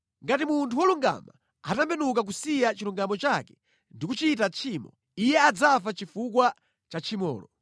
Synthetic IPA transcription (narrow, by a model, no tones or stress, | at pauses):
ŋɡatimuntʰuwɔluŋɡa̰ma | atambɛnuk̬ak̬usijat͡ʃiluŋɡamɔt͡ʃakɛ | ndik̬ut͡ʃitat͡ʃʰimɔ̰ | ijɛad͡zafat͡ʃifukwa | t͡ʃat͡ʃʰimɔ̰ːlɔ̰